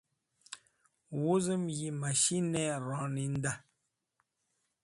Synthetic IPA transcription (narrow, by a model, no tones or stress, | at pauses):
wuzəmjimaʃinɛɾɔ̃nin̩da